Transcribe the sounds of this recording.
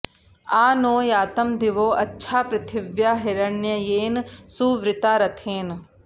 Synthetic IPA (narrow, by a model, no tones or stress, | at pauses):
aːnoːjaːt̪ɐmd̪iʋoːʔɐtːʃʰaːpɾɪt̪ʰɪʋjaːɦɪɾɐnjɐjeːnsuːʋɾɪt̪aːɾɐt̪ʰeːn